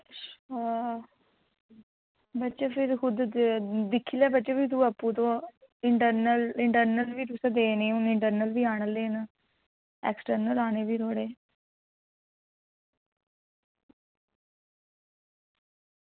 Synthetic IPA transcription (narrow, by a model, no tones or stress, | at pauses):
bətːʃaːpʰɪɾkʊd̪d̪ɪkʰːilɛːbətːʃaːbiːt̪̬uːəpːũːt̪õː | ɪɳʈəɾnəlɪɳʈəɾnəlʋiːɾʊsẽd̪eːnĩːʊnɪɳʈəɾnəlʋiːaːɳəlːeːnə | ɛ̰ːksʈəɾnəlaːneːʋiːɾʰoːɽeː